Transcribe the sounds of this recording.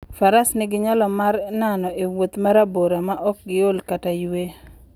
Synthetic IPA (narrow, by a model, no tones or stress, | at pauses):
faɾasnɪɡɪɲɔlɔmaɾnanɔʔewot̪maɾaboɾamaʔɔk̚ɡɪolkatajwe